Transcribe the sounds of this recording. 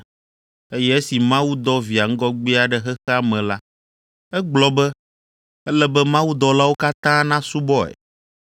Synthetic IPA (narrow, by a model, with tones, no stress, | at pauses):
e˦jɛ˦e˦si˨mã˦wu˦d̪ɔ˦vi˨a˨ŋ̩˦ɡɔ˦ɡ͡bi˦a˨ɖɛ˦ɦɛ˦xɛ˦a˦mɛ̃˨la˦ | ɛ˦ɡ͡blɔ˨bɛ˦ | ɛ˦lɛ˦bɛ˦mã˦wu˦d̪ɔ˦la˦wo˦ka˦t̪ã˦nã˦su˦bɔ˦ɛ̰˨